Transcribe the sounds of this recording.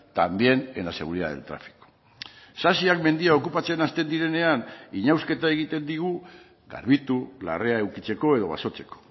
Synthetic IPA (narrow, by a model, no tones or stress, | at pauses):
t̪ambje̞nenase̞ɣ̞uɾiða̰ðe̞̰lt̪ɾa̰fi̥ko̥ | sasiakme̞nd̪iao̞kupat͡se̞nast̪e̞nd̪iɾe̞ne̞aniɲawske̞t̪ae̞ɣ̞it̪e̞nd̪iɣu | ɡa̰ɾβit̪ula̰re̞ae̞wkit͡se̞ko̞e̞ðo̞βa̰so̞t͡se̞ko̥